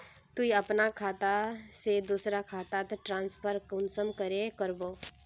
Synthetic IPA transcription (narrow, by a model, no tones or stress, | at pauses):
t̪uiɐpnakʰaːt̪ased̪uːsɾakʰaːt̪at̪ʈɾãːnspʰəɾkʊnsəmkəɾekəɾboː